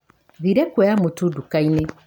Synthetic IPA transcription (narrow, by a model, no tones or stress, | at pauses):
ðiɾɛkwɛjamutudukainɛ